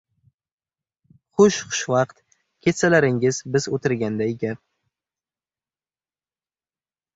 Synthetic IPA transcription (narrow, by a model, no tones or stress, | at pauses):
χʊʃχʊ̥ʃvɑqt̪ | kʲʰe̞t̪salaɾɪŋɪzbɪzot̪ʰɪɾɡʲand̪aeɡʲa